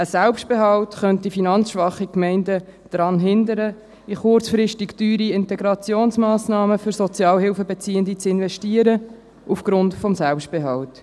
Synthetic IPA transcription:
əsɛlpʃt̚b̥eɦɑwtχœnt̚ifinɑnt͡sʃʋɑχikmɛɪndəd̥ɾɑnɦɪnd̪əɾə | iχʊrt͡sfɾɪʃtɪktyːɾiɪntɛɡɾɑt͡sjoːnsmɑːsnɑːməfʏɾsɔt͡sjɑːlɦɪlfəbɛt͡siːəndit͡sɪnvɛʃtiəɾə | ufɡ̥ɾʊntfɔmsælpʃt̚b̥ɛɦɑwt

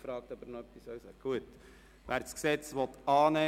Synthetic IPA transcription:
fɾɑːk̚t̪ɑbəɾnɔœpːisœwsɛɡɡ̥uət | ʋæːɾsksɛt͡sʋɔt̪ɑːnɛ

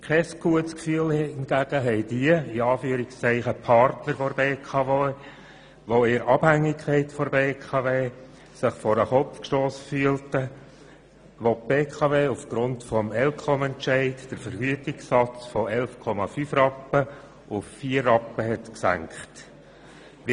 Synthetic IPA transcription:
kʰɛsɡ̥uətskfyːəlnɡ̥æɡ̥əɦɛɪd̥iəiɑːfyəɾikst͡sɛɪχəpʰɑɾtnəɾfɔɾbeːkʰɑve | ʋoɪɾɑb̥hæŋːɪkʰχɛɪtfɔɾbeːkʰɑveː | sɪχfɔɾəχɔpfkʃtoːsfyːəltə | ʋop̚b̥eːkʰɑveːufɡ̥ɾʊntfɔmɛlkʰɔmɛntʃɛɪtd̥əɾfəɾɡ̥yətɪksːɑt͡sfɔɛlfkʰɔmɑfyfrɑpːə | ʔʊffiərːɑpːəɦɛtksæ̰ŋkχt

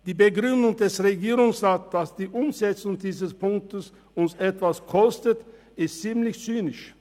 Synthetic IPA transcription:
d̥iːbəɡʁʏndʊŋdɛsʁeɡiːʁʊŋsʁaːt̚d̥asd̥iːʔʊmzɛt͡sʊŋdiːzəspʰʊŋk̚təs | ʊnsɛtv̥askʰɔstət | ɪstt͡siːmlɪçt͡syːnɪʃ

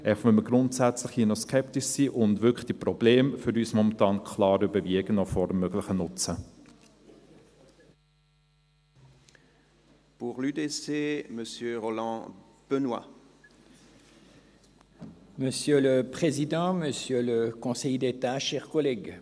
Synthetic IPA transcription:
ɛχmʏməɡʁʊntsæt͡sləχhinɔskʰɛptiʃsiːʔʊndvʏkd̥iprɔbleːmføɾyːsmɔmɑ̃ntɑːnkʰlɑːɾybəviəɡənɔfɔɾəmːøɡlɪχənʊt͡sə | puʁlyd̪eseməsjøʁɔlɑ̃ | b̥ənwa̰ | məsjøləpχezid̪ɑ̃məsjøləkɔ̃sɛjd̪et̪aʃɛʁkɔlɛɡ

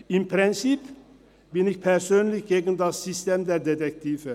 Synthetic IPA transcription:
impʰɾɛnsip | biniçpʰæɾsøːnliçɡeːɡənd̪ɑsyst̪emd̪ɛɾd̪ɛd̪ɛk̚t̪ʰiːvə

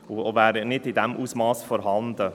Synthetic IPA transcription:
ovæːɾnɪdɪd̪ɛmʔuːsmɑːsfɔɾɦɑnd̪ə

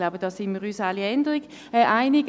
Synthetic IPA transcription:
laʊbəd̥ɑːsɪnmiːʁyːsaliɛndəʁiɡ̥ | ɛʔaɪnɪɡ

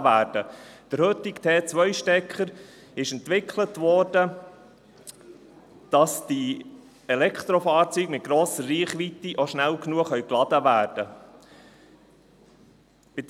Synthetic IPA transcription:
ʋæːrd̥əd̥əɾhøt̪ɪkt̪ʰeːt͡sʋœʏʃtɛkəɾ | ɪʃɛnt̪ʋɪkʰlətʋɔɾd̥ə | d̥ɑsd̥i | ɛlɛkʰt̪ɾofɑːɾt͡syːɡmɪt̪̚ɡ̥ɾoːsəɾːiːχʋit̪iʔoʃnælknuəχœʏklɑd̪əʋæːɾd̥ə | pɪd

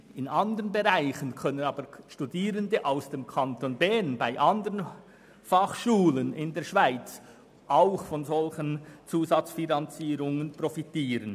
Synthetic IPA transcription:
ɪnɑndəʁənbeʁaɪçənkʰœnənɑːbəʃtudiːʁəndəʔaʊsd̥eːmkʰɑntonbɛnbaɪʔɑndəʁən | fɑχʃuːlənɪndeːɐʃv̥aɪt͡s | ʔaʊxfɔnzɔlçənt͡suːzɑt͡sfinɑnt͡siːʁʊŋənprofitiːʁən

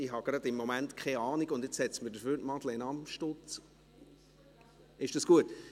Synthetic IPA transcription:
ɪɦɑɡ̥ɾɑd̪ɪmːɔmæntkʰχɛɑːniɡʊndɪt͡shɛt͡smədəɾfyːɾtmɑd̪leɪnɑmʃtot͡s | ɪʃd̥ɑsɡ̥uət

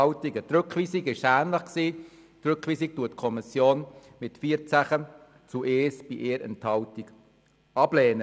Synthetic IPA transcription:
ɑʊtiɡət̪ɾøkχʋiːsiɡɪʃæːnləχksiː | t̪ɾʏkχʋiːsik̚tuətːkʰɔmisjoːnmɪtfiːəɾt͡sæχə | t͡suʔeːsb̥iʔeːɾɛ̰nthɑwtiɡ | ɑb̥lɛːnə

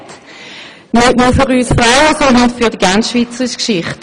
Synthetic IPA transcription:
nyʔmufyʁyːsfʁaʊəsɔndənfyɐdiɡant͡sʃviːt͡səʁiʃkʃɪχt

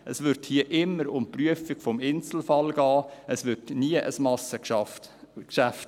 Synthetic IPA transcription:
ʔəsʋʏɾthiəʔɪmːəɾʊmpryəfɪɡ̥fɔmɪnt͡sl̩fɑlɡ̥ɑːəsʋʏɾdniəʔə̰smɑsə | ʃæft

